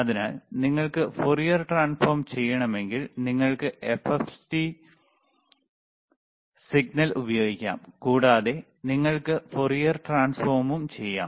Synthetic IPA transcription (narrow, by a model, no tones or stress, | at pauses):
ɐðinaːlniŋːɐɭkɨforijɐrʈraːnfoːrmt͡ɕe̞jːɐɳɐme̞ŋɡilniŋːɐɭkɨʔefefti | siɡ̚nɐlubɐjo̞ːɡikʲːa̰ːmkuːɽaːðe̞ | niŋːɐɭkɨforijɐrʈraːnsfoːrmumt͡ɕe̞jːa̰ːm